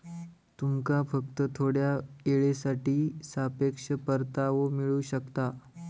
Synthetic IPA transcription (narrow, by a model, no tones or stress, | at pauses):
t̪umkafəkt̪ət̪ʰoɽjaeɭesaʈiːsapekʂəpəɾt̪aʋomiɭuɕəkt̪a